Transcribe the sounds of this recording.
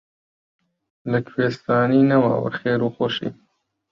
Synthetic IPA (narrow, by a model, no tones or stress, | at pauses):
ləkʰweːst̪ɑːniːnawa̰ːwə̰ɾxeːɾuːxoʃḭː